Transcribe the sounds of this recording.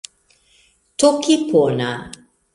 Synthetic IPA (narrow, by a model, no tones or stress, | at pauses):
tokipʰona